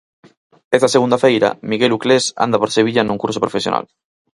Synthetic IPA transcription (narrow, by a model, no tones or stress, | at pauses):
est̪aseɣund̪afejɾa̰miɣeluklesa̰nd̪apoɾseβ̞iʎanũŋkuɾsopɾofesjona̰l